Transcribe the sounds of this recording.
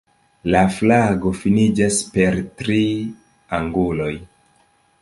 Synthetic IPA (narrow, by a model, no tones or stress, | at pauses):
laflaɡo̞finid͡ʒaspe̞ɾtɾi | aŋɡulo̞j